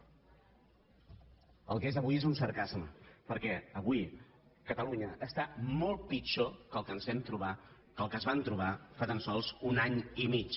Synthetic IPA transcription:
ə̰lˠkezəβuiezunsəɾkazmə̰pəɾkɛəβui | kət̪əluɲəʔːst̪amɔlˠt̪̚pit͡ʃokəlˠkənzβɛmt̪ɾuβa | kəlˠkəzβant̪ɾuβ̞afat̪ansɔlˠzunaɲimit͡ʃ

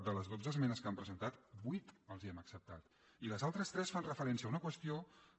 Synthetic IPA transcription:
d̪ələzðozəzmɛnəskampɾəzənt̪at̪bujt̪əlˠziəməksəp̚t̪at̪ | iləzalˠt̪ɾəst̪ɾɛsfanrəfəɾɛnsiəunəkwəst̪io

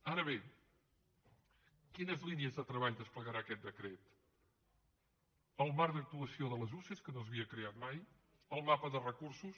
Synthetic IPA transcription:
aɾəβe | kinəzliniəzðət̪ɾəβaʎd̪əspləɣəɾakɛt̪̚d̪əkɾet̪ | əlˠmaɾd̪ək̚t̪uəsioðələzuseskənoəzβiəkɾeat̪̚maj | əlˠmapəðərəkuɾsus

